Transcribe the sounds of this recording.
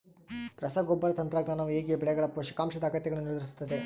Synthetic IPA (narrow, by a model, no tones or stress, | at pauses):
t̪ɾɐsɐɡɔbːɐɾɐt̪ɐnt̪ɾaɡnaːnɐʋeːɡiɐbɛɭɛɡɐɭɐpoːʃɐ̥kaːmʃɐd̪aːkɐt̪ːɛɡɐɭːuniɾd̪ɐɾis̬u̥t̪ːɐd̪e